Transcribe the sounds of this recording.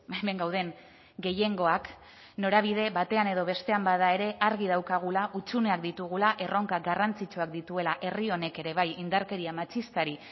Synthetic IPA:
ameŋɡawð̞e̞n | ɡe̞je̞ŋɡo̞ak | no̞ɾaβ̞ið̞e̞βat̪e̞ane̞ð̞o̞βe̞st̪e̞ambaðae̞ɾe̞ʔaɾɣ̞ið̞awkaɣ̞ulaʔut͡sune̞ak̚d̪it̪uɣ̞ulaʔe̞ro̞ŋkaɡarant͡sit͡ʃuakd̪it̪ue̞laʔe̞rio̞ne̞ke̞ɾe̞β̞ajind̪aɾke̞ɾiamat͡ʃist̪aɾi

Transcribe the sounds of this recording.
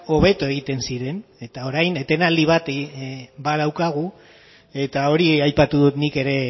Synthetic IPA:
o̞β̞e̞t̪oe̞ɣ̞it̪e̞nsiɾe̞ne̞t̪ao̞ɾajne̞t̪e̞nald̪iβ̞at̪ | bað̞awkaɣ̞u | e̞t̪ao̞ɾiajpat̪uðut̪nike̞ɾe̞

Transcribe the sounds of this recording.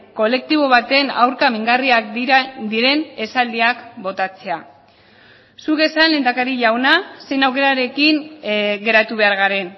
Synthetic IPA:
ko̞le̞k̚t̪iβo̞β̞at̪e̞na̰wɾkamiŋɡariakd̪iɾe̞ne̞sald̪iakbo̞t̪at͡se̞a | suke̞sanle̞ːnd̪akaɾiʎawnase̞jnawke̞ɾaɾe̞kiŋɡe̞ɾat̪uβ̞e̞aɾɣaɾe̞n

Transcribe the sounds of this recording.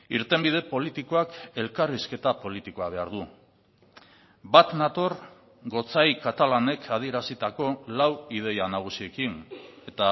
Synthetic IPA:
iɾt̪e̞mbið̞e̞po̞lit̪ikoake̞lkariske̞t̪apo̞lit̪iko̞aβe̞aɾðu | bat̪nat̪o̞ɾ | ɡo̞t͡sajkat̪alane̞kʰað̞ie̞ɾasit̪ako̞lawið̞e̞janaɣ̞usie̞kine̞t̪a

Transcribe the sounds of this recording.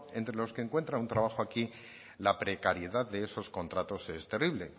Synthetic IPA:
e̞nt̪ɾe̞lo̞skeːŋkwe̞nt̪ɾaunt̪ɾaβaxoaki | lapɾe̞kaɾjeðaððe̞eso̞sko̞nt̪ɾat̪o̞se̞st̪e̞riβle̞

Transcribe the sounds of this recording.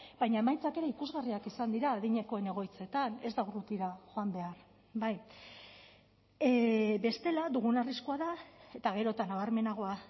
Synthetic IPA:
bajɲae̞majt͡sake̞ɾe̞ikuzɣariakisand̪iɾaːðiɲe̞ko̞e̞ne̞ɣ̞o̞jt͡se̞t̪ane̞zd̪awrut̪iɾaʝo̞ambe̞aɾ | baj | be̞st̪e̞lad̪uɣ̞unariskuaðae̞t̪aɣ̞e̞ɾo̞t̪anaβ̞aɾme̞naɣ̞o̞a

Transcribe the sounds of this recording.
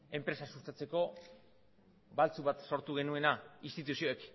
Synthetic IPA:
e̞mpɾe̞sasust̪at͡se̞ko̞ | balt͡suβat̪so̞ɾt̪uɣ̞e̞nue̞naist̪it̪usio̞ek

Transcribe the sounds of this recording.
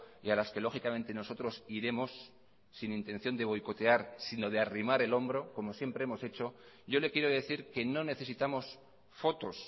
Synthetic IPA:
ialaske̞lo̞xikamẽ̞nt̪e̞no̞so̞t̪ɾo̞siɾe̞mo̞sː | inint̪e̞nθjo̞nd̪e̞β̞o̞jko̞t̪e̞aɾsino̞ð̞earimaɾe̞lo̞mbɾo̞ko̞mo̞sje̞mpɾe̞e̞mo̞se̞t͡ʃo̞ | ɟ͡ʝo̞le̞kje̞ɾoðe̞θiɾke̞no̞ne̞θe̞sit̪amo̞s | fo̞t̪o̞s

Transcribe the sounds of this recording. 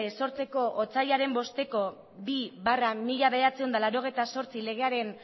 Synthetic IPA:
so̞ɾt͡se̞ko̞ʔot͡sajaɾe̞mbo̞st̪e̞ko̞ | biβaramiʎaβe̞ðat͡seond̪alaɾo̞ɣ̞e̞jt̪aso̞ɾt͡sile̞ɣ̞e̞aɾe̞n

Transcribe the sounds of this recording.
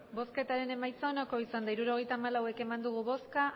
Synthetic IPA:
bo̞ske̞t̪aɾe̞ne̞majt͡saonako̞isand̪aiɾuɾo̞ɣ̞e̞jt̪aːmalawe̞ke̞mand̪uɣ̞uβo̞ska

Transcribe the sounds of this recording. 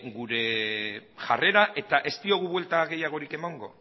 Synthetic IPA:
ɡuɾe̞ | ʝa̰re̞ɾaʔe̞t̪aʔe̞st̪io̞ɣ̞uβwe̞lt̪aɣe̞jaɣ̞o̞ɾike̞maŋɡo̞̰

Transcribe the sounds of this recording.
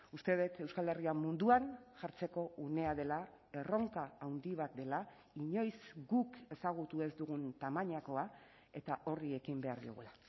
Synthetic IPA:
ust̪e̞ðet̪e̞wskale̞riamund̪uaŋʝaɾt͡se̞ko̞ʔune̞aðe̞la | e̞ro̞ŋkaawnd̪iβ̞at̪̚d̪e̞la | iɲo̞jzɡuke̞saɣ̞ut̪ue̞zd̪uɣunt̪amaɲako̞a | e̞t̪aʔo̞rie̞kimbe̞aɾðḭo̰ɣula

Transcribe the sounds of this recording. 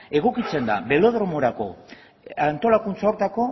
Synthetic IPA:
e̞ɣ̞o̞kit͡se̞nd̪a̰βe̞lo̞ð̞ɾo̞mo̞ɾako̞ | ant̪o̞lakunt͡sao̞ɾt̪ako̞

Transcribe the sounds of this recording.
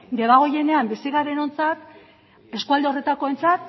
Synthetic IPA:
ɡe̞βaɣ̞o̞je̞ne̞ambisiɣaɾe̞no̞nt͡sat̪ | e̞skuald̪eo̞re̞t̪ako̞e̞nt͡sat̪̚

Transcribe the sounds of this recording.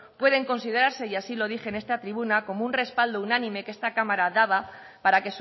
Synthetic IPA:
pwe̞ð̞e̞ŋko̞nsiðe̞ɾaɾse̞jasilo̞ð̞ixe̞ne̞st̪at̪ɾiβunako̞mounre̞spald̪ounanĩme̞ke̞st̪akamaɾaðaβa | paɾake̞s

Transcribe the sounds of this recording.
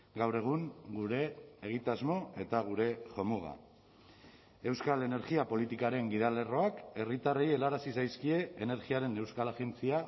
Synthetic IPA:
ɡawre̞ɣ̞uŋɡuɾe̞ːɣ̞it̪azmo̞e̞t̪aɣ̞uɾe̞ʝo̞muɣ̞a̰ | e̞wskale̞ne̞ɾɣiapo̞lit̪ikaɾe̞ŋɡiðale̞ro̞ake̞rit̪areje̞laɾasisajskie̞ːne̞ɾɣiaɾe̞ne̞wskalaɣe̞nt͡sia

